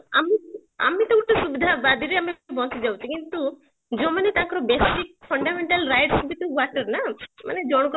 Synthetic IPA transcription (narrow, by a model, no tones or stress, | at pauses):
ɐmi | ɐ̰met̪ouʈːusubid̪ʱabad̪ʱiɾeɐmebʱɔ̃t͡ʃid͡ʒawt͡ʃʰikint̪u | d͡ʒomɐnet̪ãːkɐɾɔbesikpʰɐɳɖameɳʈɐlɾajʈsubit̪uɡaʈɐɾnamɐned͡ʒoɽ̃k